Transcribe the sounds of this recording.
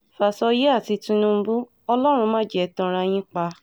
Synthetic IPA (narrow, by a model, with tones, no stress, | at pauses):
fa˨sɔ˧je˦a˦˨ti˨˧tũ˧nũ˧m̩˦bu˦ | ɔ˧lɔ˦ɾ̃ũ˧mã˦d͡ʒɛ˦˨tɔ̃˧ɾa˧j̃ĩ˦k͡pa˧˦